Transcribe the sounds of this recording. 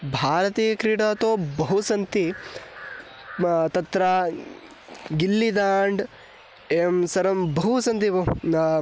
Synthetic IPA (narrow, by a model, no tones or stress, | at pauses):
bʱaːɾɐt̪iːjɐkɾiːɽaːt̪oːbɐɦusɐnt̪i | t̪ɐt̪ɾa | ɡilːid̪aːɳɖ | emsɐɾɐmbɐɦusɐnt̪ibɐ